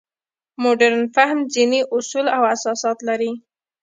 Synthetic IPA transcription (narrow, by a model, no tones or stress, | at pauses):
moɖaɾnfahmziniʔʊsulawasɑsɑt̪laɾi